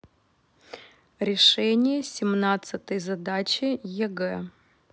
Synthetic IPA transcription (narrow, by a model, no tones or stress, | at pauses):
ɾʲɪʂɛnʲɪjəsʲɪmnat̪sɨt̪əjzɐd̪at͡ɕɪjɛɡɛ